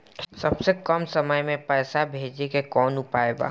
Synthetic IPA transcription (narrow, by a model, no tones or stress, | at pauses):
sɐbsekəmsɐməjmẽpɛːsabʱeːd͡ʒekekɔːnʊpaːeɡa̰ː